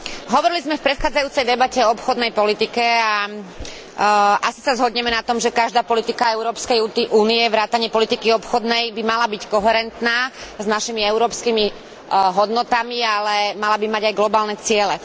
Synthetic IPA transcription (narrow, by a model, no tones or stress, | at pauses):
ɦɔʋɔɾilizmɛfpɾɛt̪xaːd͡zajuːt͡sɛjd̪ɛbacɛɔɔpxɔd̪nɛjpɔlit̪ikɛa | ʔasi̥sazɦɔd̪ɲɛmɛnat̪ɔmʒɛkaʒd̪aːpɔlit̪ikaɛʊɾɔːpskɛjut̪iʔuːniɛʋɾaːt̪aɲɪɛpɔlit̪ikiɔpxɔd̪nɛjbimalabickɔɦɛɾɛnt̪naːznaʃimiɛʊɾɔːpskimi | ɦɔd̪nɔt̪amialɛmalabimaɟajɡlɔbaːlnɛt͡sɪɛlɛ